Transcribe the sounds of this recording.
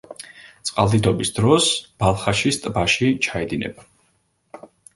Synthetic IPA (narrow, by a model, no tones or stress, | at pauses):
t̪sʼqʼalˠd̪id̪ɔbisd̪ɾɔsb̥alˠχaʃist̪ʼbaʃit͡ʃʰaɛd̪inɛ̰ba